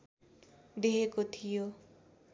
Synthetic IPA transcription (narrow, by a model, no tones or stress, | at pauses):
d̪eɾekot̪ʰijo